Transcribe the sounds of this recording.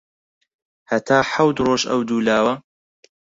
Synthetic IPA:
hɐt̪ʰaːħawd̪roːʃɐ̰wd̪uːlaːwɐ

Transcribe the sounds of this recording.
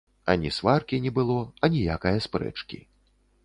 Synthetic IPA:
ɐ̰nʲisvarkʲinʲɛbɨlˠɔɐnʲijakɐjɐspɾɛ̰t͡ʂkʲḭ

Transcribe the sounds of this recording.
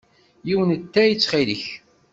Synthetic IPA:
jiwənt̪ːæjət͡sːχilḭç

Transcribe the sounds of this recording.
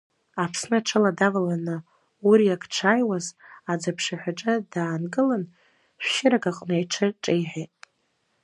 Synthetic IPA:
apʰsnɨʈ͡ʂʰɨladavalanɨ | uɾijakʰʼʈ͡ʂʰajwazad͡zapʰʂaħʷᶣaʈ͡ʂʼadaːnɡɨlan | ʃʷʃɪɾaɡaqʼnajʈ͡ʂʰɨʈ͡ʂʼejħatʼ

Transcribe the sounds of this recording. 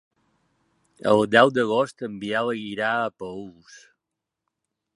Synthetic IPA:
ə̰lˠd̪ɛwd̪əɣost̪əmbialəɣiɾaəpəus

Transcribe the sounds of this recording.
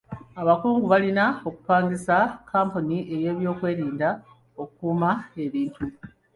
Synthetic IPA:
aβakuːŋɡuβalinao̞ku̥paːŋɡisakaːmponiʔe̞je̞ːβjo̞ːkwe̞ːɾiːnda | okukuːmae̞βiːntu

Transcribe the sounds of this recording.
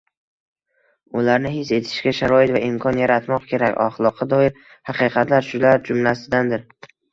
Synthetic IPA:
ʊlaɾnɪhɪse̞t̪ʰɪ̥ʃɡʲaʃaɾɒɪt̪vaɪmkʰɒnjaɾat̪mɒqkʲʰe̞ɾakʲɒ̰χlˠɒqʰːɑd̪ɒɪɾ | haqɨqʰɑt̪laɾʃʊlaɾd͡ʒʊmlasɪd̪and̪ɪɾ

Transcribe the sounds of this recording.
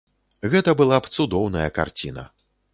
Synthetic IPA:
ɣɛt̪ɐbɨlˠapt̪sud̪ɔwnɐjɐka̰rt͡sʲḭnɐ̰

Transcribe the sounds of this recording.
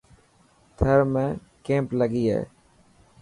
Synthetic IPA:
t̪ʰəɾmẽː | kẽːmpləɡiːɦḛː

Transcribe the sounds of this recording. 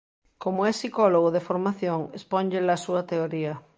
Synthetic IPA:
komoɛsikoloɣoðefoɾmaθjoŋesponʎelasuat̪eoɾia

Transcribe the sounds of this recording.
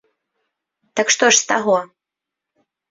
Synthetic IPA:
t̪ɐkʂt̪ɔʂst̪aɣɔ

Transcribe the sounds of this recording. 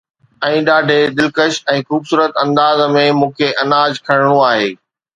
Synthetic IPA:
ɛ̃ːɗaːɖʱed̪ɪlkəʃɛ̃ːxuːbsuːɾət̪ɐ̃nd̪aːzmẽmũːkʰeʔɐnaːd͡ʑkʰɐɽɪɽ̃ũaːɦeː

